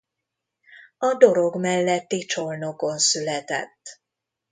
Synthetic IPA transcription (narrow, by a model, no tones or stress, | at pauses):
ɒd̪o̞ɾo̞ɡmɛlːɛt̪ːit͡ʃo̞lno̞ko̞nsylɛt̪ɛ̰t̪ː